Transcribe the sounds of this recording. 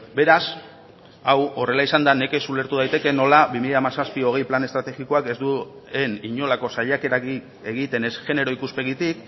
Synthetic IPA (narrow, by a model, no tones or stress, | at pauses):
be̞ɾas | awo̞re̞laisand̪ane̞ke̞sule̞ɾt̪uð̞ajt̪eke̞no̞laβimiʎaamasaspio̞ɣ̞e̞jplane̞st̪ɾat̪e̞ɣiko̞ake̞zd̪u | e̞niɲo̞lako̞saʎake̞ɾaɣi | e̞ɣit̪e̞ne̞sʝe̞ne̞ɾo̞ikuspe̞ɣ̞it̪ik̚